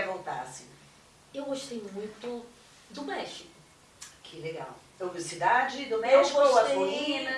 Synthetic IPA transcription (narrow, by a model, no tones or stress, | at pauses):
volt̪a̰sĩnɛ̃ | ewɡoʃt̪ejmũj̃t̪ʊ | d̪ʊmɛʃikʊ | kʰɪleɡa̰w | ewvisid̪ad͡ʒɪd̪ʊmɛɡoʃɐeĩnɐ